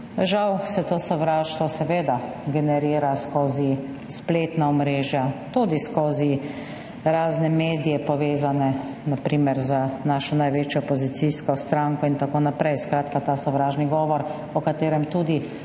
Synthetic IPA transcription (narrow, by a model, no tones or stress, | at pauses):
ʒawsɛt̪oːsɔʋɾaːʃt̪ʋɔsɛʋeːd̪a | ɡɛnɛɾiːɾaskoːzi | spleːt̪naɔmɾeːʒjat̪uːd̪iskoːzi | ɾaːznɛmeːd̪ijɛpɔʋeːzanɛ | napɾiːmɛɾzənaːʃɔnajʋeːt͡ʃjɔpɔzit̪siskɔst̪ɾaŋkɔint̪akoːnapɾɛjskɾaːt̪kat̪aːsɔʋɾaːʒniɡɔːʋɔɾ | ɔkat̪eːɾɛmt̪uːd̪i